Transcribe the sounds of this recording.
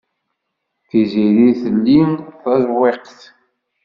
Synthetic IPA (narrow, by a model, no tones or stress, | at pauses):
θiziɾiθəlːinθɑzweqθ